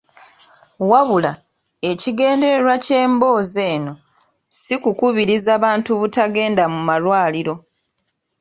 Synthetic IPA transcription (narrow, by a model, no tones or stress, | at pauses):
waβula | e̞ciɡe̞ːnde̞ɾe̞ɾwace̞ːmbo̞ːze̞ːno̞ | sikukuβiɾizaːβaːntuβutaɡe̞ːndamumalwaːliɾo̞